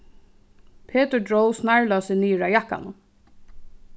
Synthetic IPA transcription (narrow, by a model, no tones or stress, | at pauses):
pʰeːt̪əɹdɹowsnaɹlasɪniːɹajahkːa̰nʊ